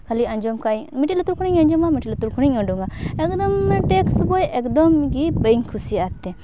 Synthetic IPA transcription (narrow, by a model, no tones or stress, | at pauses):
kʰaliɐɲd͡ʒɔmkajmiʈilot̪uɾkʰuɽiŋɐɲd͡ʒɔmamiʈilot̪uɾkʰuɽ̃iŋɔɳɖuŋɡaekd̪ɔmʈeksbojʔekd̪ɔmɡibəjŋkʰusiat̪ːe